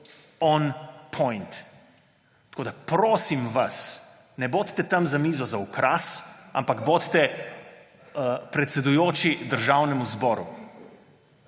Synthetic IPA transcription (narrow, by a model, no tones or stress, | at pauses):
ɔnpʰɔjnt̪ | koːd̪apɾoːsimʋas | nɛboːt̪t̪ːɛt̪amzamiːzɔzaukɾasa̰mpaɡboːt̪t̪ɛ | pɾɛt̪sɛd̪ujoːt͡ʃid̪əɾʒawnɛmuzbɔːɾṵ